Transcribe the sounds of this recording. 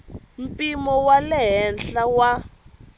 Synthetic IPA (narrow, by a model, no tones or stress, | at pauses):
m̩pʼimɔwalɛɦɛnɬawa